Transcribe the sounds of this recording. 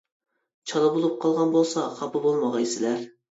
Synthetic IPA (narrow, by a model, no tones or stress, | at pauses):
t͡ʃʰɑlˠɑbolˠup̚qʰɑlˠʁɑnbolˠsɑχɑpʰɨbolˠmɑʁɑjsɪlæɾ